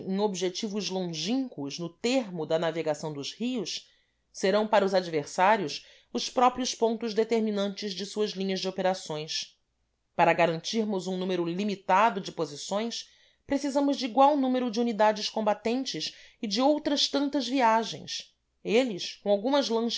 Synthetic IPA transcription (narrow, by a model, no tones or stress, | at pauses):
ẽŋ̃obiʒet͡ʃivʊzlõʒĩŋkʊʃnʊt̪eɦmʊd̪ɐnaveɡasɐ̃w̃d̪ʊzhiʊʃ | seɾɐ̃w̃paɾɐʊzad͡ʒiveɾsaɾjʊʃ | ʊspɾɔpɾiʊspõnt̪ʊʒd̪et̪eɾminɐ̃nt͡ʃɪzd͡ʒɪsuɐzlĩɲɐzd͡ʒɪopeɾasõj̃s | paɾɐɡaɾɐ̃nt͡ʃiɾmʊzũnũmeɾʊlimit̪ad̪ʊd͡ʒɪpozisõj̃s | pɾesizɐ̃mʊzd͡ʒɪiɡwawnũmeɾʊd͡ʒɪunid̪ad͡ʒɪʃkõmbat̪ẽnt͡ʃɪʃ | ɪd͡ʒɪowt̪ɾɐʃt̪ɐ̃nt̪ɐzviaʒḛ̃j̃s | elɪskõawɡũmɐzlɐ̃ʃ